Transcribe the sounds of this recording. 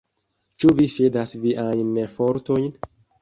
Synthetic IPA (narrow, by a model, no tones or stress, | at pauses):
t͡ʃuvifedasviʔajnefoɾtojn